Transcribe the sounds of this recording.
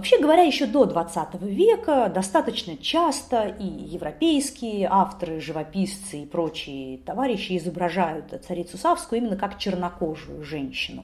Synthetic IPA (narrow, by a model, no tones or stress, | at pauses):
vɐpɕːeɡəvɐɾʲajɪɕːod̪o̞d̪vɐt̪sat̪əvəvʲe̞kəd̪ɐst̪at̪ət͡ɕnət͡ɕast̪əʔijɪvɾɐpʲejskʲɪjəʔaft̪əɾɨʐɨvɐpʲist̪sɨipɾo̞t͡ɕɪjət̪ɐvaɾʲɪɕːɪɪzəbɾɐʐajʊt̪t̪sɐɾʲit̪sʊsafskʊjʊimʲɪnːəkakt͡ɕɪrnɐko̞ʐʊjʊʐɛnʲɕːɪnʊ